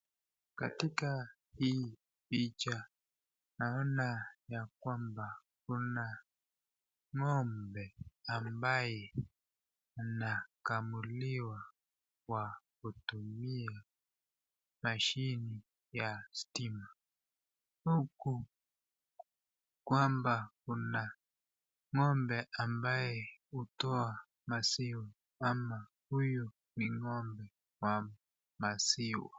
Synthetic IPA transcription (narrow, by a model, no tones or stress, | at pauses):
katika | hi | pit͡ʃa | naɔnajakwamba | kuna | ŋɔmbɛambajɛ | unakamuliwa | wakutumia | maʃini | jastima | huku | kwambakuna | ŋɔmbɛʔambajɛutɔa | masiwa | ama | huju | niŋɔmbɛ | wa | masiwa̰